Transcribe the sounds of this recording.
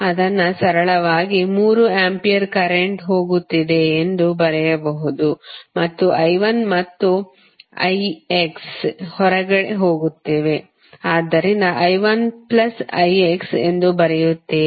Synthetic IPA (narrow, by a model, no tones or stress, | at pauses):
ɐd̪ɐnːɐsɐɾɐɭɐʋaːɡimuːɾuaːmpijɐɾkɐɾeɳʈɦo̞ːɡut̪ːid̪e̞ːnd̪ubɐɾɛjɐbɐɦud̪umɐt̪ːuʔɐjʋɐnmɐt̪ːu | ɐ̰jekshɔɾɐɡɐɽeɦo̞ːɡut̪ːeːʋe̞ | aːd̪ːɐɾind̪ɐʔɐjʋɐnplɐsɐ̰jeksḛnd̪ubɐɾɛjut̪ːe